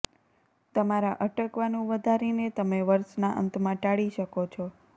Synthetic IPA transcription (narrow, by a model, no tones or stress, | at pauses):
t̪əmaɾaʔəʈəkʋanũʋəd̪ʱaɾinet̪əmeʋəɾʃnaʔə̰nt̪mãʈaɭiʃəkot͡ʃʰɔ